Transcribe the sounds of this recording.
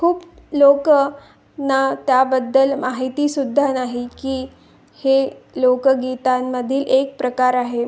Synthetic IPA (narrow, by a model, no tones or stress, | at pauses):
kʰuːplok | nat̪jabəd̪ːəlmaɦit̪iːsud̪ʱːanaɦikiː | helokɡit̪amːəd̪ʱiːlʔek̚pɾəkaɾaɦe